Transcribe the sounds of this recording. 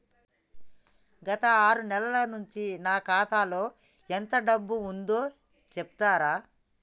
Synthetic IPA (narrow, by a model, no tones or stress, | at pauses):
ɡɐt̪ɐaːɾunɛlɐlɐnuɲt͡ʃinaːkaːt̪ʰaːlo̞ː | ent̪ɐɖɐbːuund̪oː | t͡ʃebu̥t̪aːɾaː